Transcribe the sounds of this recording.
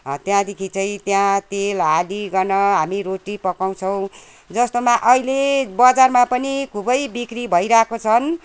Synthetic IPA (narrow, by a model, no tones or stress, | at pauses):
t̪jãd̪ekʰit͡sʌĩt̪jãt̪elaliɡʌnʌɦamiɾoʈipʌkaw̃t͡sʰʌw̃ | d͡zʌst̪omaʔʌilebʌd͡zarmapʌnikʰubʌjbikribʱʌiɾakot͡sʰʌn